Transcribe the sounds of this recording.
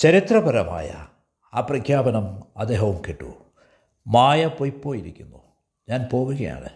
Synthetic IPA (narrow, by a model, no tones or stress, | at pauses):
t͡ɕɐɾit̪rɐbɐɾɐma̰ːjɐ̰ | aːprɐkʰjaːbɐnɐmɐd̪eːɦɐwumkeʈːṵ | maːjɐpojpːo̞ːjiɾikʲːunːu | ɲaːnpo̞ːɣuɣɐja̰ːɳɨ̰